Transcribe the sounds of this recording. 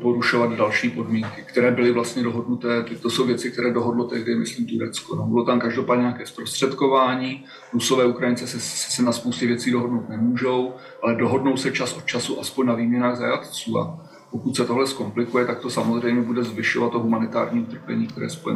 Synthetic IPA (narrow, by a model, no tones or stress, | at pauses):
poɾuʃo̞vad̪dalʃiːpo̞dmiːŋkɪkt̪ɛɾɛːbɪlɪvlast̪ɲɛdo̞ɦo̞dnut̪ɛːt̪t̪oso̞wvjɛt͡sɪk̚t̪ɛɾɛːdo̞ɦo̞dlo̞t̪ɛɦdɪmɪsliːmt̪uɾɛt͡skonobɪlot̪amkaʒdopaːdɲɛɲakɛːspɾost̪r̝̥ɛt̪ko̞vaːɲiː | ɾuso̞vɛːukɾajɪnt͡sɛsɛsɛnaspowscɛvjɛt͡siːdo̞ɦodnowt̪nɛmuːʒo̞w | ʔalɛdo̞ɦo̞dno̞wsɛt͡ʃasʔo̞t̪t͡ʃasuʔaspoɲnaviːmɲɛnaːɣzajat̪t͡suːa̰ | po̞kut̪sɛt̪oɦlɛsko̞mplɪkujɛt̪ak̚t̪o̞samozr̝ɛjmɲɛbudɛzvɪʃo̞vat̪ːoɦumanɪt̪a̰ːɾɲiːut̪r̩pɛɲiːkt̪ɛɾɛ̰ːjspojɛ̰